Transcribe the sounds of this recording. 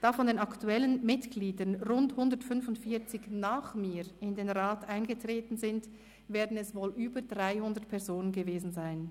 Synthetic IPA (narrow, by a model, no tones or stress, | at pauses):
d̥aːfɔndeːnɑktuɛlənmɪtɡ̥liːdənʁʊnthʊndəɐtfʏnfʊntfiːɐt͡sɪçnaːχmiːɪndeːnʁaːtʔaɪnɡətʁ̥eːtn̩zɪnt | veːɐdn̩ɛsvoːlʔyːbədʁaɪhʊndətpʰɛɐzoːnənɡəveːzn̩zaɪn